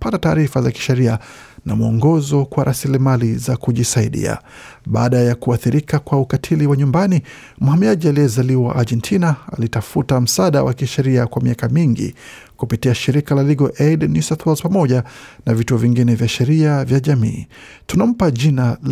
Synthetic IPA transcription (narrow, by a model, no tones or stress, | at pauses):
patataːɾifazaki̥ʃɛɾia | na̰muɔ̰ŋɡɔzɔkwaɾʔasilimalizakuʄisaiɗḭa̰ | ɓaːɗajakuaθiɾikakwaukatʰiliwaɲumbani | m̩hamiaʄialiɛzaliwaʔaʄɛntʰinaalitafutam̩saɗawakiʃɛɾiakwamiakamiŋɡḭ | kupitiaʃiɾikalaliɡɔʔɛdnisaθwalzpamɔʄa | navituɔviŋɡinɛvjaʃɛɾiavjaʄamḭːtunam̩paʄinal